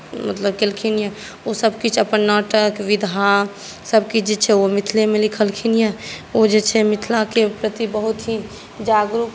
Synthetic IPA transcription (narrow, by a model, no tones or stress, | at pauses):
mət̪ləbkelkʰinje | osəbkit͡ʃʰəpənnːaːʈəkʋɪd̪ʱa | səb̚kit͡ʃʰd͡ʒet͡ʃʰɛomɪt̪ʰlemẽlɪkʰəlkʰinjeod͡ʒet͡ʃʰɛmɪt̪ʰlakepɾət̪ibəɦʊt̪ɦi | d͡ʒaːɡɾuk